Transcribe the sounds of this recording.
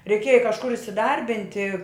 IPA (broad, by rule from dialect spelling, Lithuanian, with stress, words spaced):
rʲɛɪˈkʲeːjɛ kɐʃˈkʊr ɪsʲɪˈdɐrʲbʲɪnʲtʲɪ